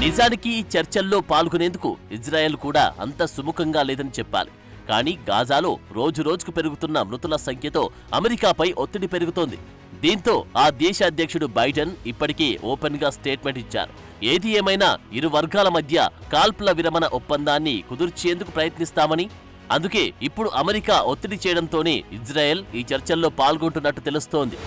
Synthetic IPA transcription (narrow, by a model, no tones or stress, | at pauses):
nid͡ʒaːnikiːt͡ʃɐɾt͡ʃɐlːo̞ːpaːlɡune̞ːnd̪ukṵisɾaːje̞ːlukuːɽa̰ːɐ̰nt̪ɐsumukʰɐŋɡaːlɛːd̪ɐnit͡ʃɛpːa̰ːli | ka̰ːniːɡa̰ːd͡ʒaːloːɾo̞ːd͡ʒuɾo̞ːd͡ʒu̥kupe̞ɾuɡut̪unːɐmɾut̪ulɐsɐŋkʰjɐt̪o̞̰ː | ɐmeɾikaːpɐjʔot̪ːiɽipe̞ɾuɡut̪oːnd̪i | d̪iːnt̪o̞ːaːd̪ɛːʃɐːd̪ʱjɐkʂuɽubɐjɖɐnipːɐʈikeːʔoːpenɡaːsʈeːʈme̞ɳʈit͡ʃːa̰ːɾu | eːd̪ieːmɐjna̰ːiɾuʋɐɾɡaːlɐmɐd̪ʱjɐ̰kaːlplɐʋiɾɐmɐnɐʔɔpːɐnd̪aːnːikud̪uɾt͡ʃeːnd̪ukupɾɐjɐt̪nist̪aːmɐni | ɐ̰nd̪uke̞ːipːuɽuʔɐmeɾikaːʔot̪ːiɽit͡ʃɛːjɐɽɐnt̪o̞ːne̞̰ːid͡ʒɾaːje̞ːliːt͡ʃɐɾt͡ʃɐlːo̞ːpaːlɡoɳʈunːɐʈːut̪e̞lust̪o̞ːnd̪i